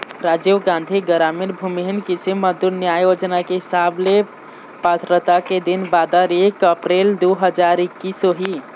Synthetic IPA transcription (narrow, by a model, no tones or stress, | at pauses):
ɾad͡ʒewɡãnd̪ʱiɡəɾamiɾbʱumiɦinkisimːəd̪uɾnjajod͡ʒnakeɦisable | pət̪ɾət̪aked̪inbad̪əɾekəpɾeld̪uɦəd͡ʒaɾikːisoɦi